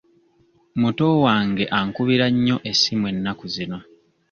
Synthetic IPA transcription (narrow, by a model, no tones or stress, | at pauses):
muto̞waːŋɡe̞ʔaŋkuβiɾaɲːo̞ʔe̞simwe̞nːakuzino̞